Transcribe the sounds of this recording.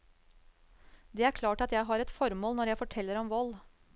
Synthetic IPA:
d̪ɛːæɾkʰlɑːʈɑt̪jæɪɦɑɾɛt̪fɔɾmoːlnɔɾjæɪfɔʈʰɛlːəɾɔmʋɔlː

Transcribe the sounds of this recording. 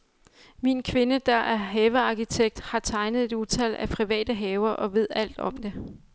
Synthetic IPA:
minkʰʋe̝nəd̥ɑ̈ʔæɐɦɛːʋəɑ̈kit͡sʰeɡ̥̚d̥hɑ̈t͡sʰɑ̈ɪnəð̞̩ˠe̝d̥ut͡sʰælæpʰʁiʋɛ̰ːd̥əɦɛːʊɐʔɒ̽ʋe̝ð̞̰ˠæl̰d̥ɒ̽md̥e̝

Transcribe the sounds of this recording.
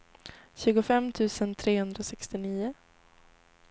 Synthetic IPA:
ɕʉ̟ːɡʊfɛmːt̪ʰʉ̟ːsənt̪ʰɾeːhɵnd̪ɾasɛkst̪ɪniːʊ

